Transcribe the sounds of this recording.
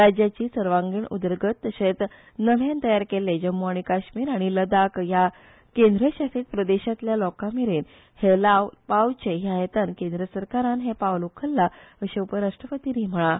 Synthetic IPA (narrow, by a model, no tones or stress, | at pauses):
ɾad͡ʑjat͡ɕiːsəɾʋãŋɡiːɳṵd̪əɾɡət̪ːəset͡s | nəʋjant̪əjaɾkeled͡ʑəmːuaɽ̃ikaɕmiːɾaɽ̃iləd̪akja | kend̪ɾəɕasit̪̚pɾəd̪eɕat̪ljalɔkamiɾen | helaʋpawt͡ɕeɦjaet̪ankẽnd̪ɾəsəɾkaɾãnɦepaʋlokʰəlːaəɕeupəɾaʂʈɾəpət̪iniːm̤əɭa